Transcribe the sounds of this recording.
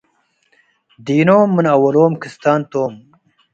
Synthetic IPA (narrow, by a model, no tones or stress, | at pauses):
d̪iːnoːmːɨnɐwɐloːmkʰɨst̪aːnt̪oːm